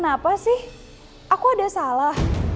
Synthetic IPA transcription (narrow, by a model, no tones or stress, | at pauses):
ənapasɪh | ʔakuadasalah